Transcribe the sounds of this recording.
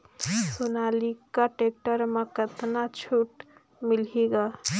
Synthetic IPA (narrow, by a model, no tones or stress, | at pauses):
sonaːlikaʈek̚ʈəɾmẽkət̪nat͡ʃʰuʈ | mɪliɡa